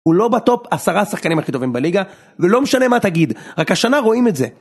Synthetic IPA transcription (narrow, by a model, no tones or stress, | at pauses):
ulo̞bat̪o̞pasaʁasaχkanimhaχito̞vimbaliɡa | velo̞meʃane̞mataɡidʁakhaʃanaʁo̞imetze